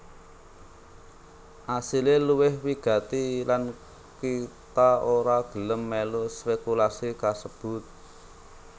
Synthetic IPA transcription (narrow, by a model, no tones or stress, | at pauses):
ʔasileluwɪhwiɡ̥a̤t̪ilan | kit̪aoɾaɡ̥ə̤ləmːɛlospekulasikasəb̥ʊ̤t̪̚